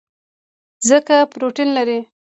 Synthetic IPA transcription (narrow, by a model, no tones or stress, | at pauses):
zəkapɾoʈinlaɾi